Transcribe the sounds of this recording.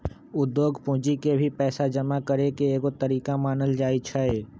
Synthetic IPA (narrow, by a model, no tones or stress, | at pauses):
ʊd̪ːjoːɡpũːd͡ʒikebʱipɛːsad͡ʒəmakəɾekeeːkot̪əɾiːkamaːnəld͡ʒaːit͡ʃʰaeː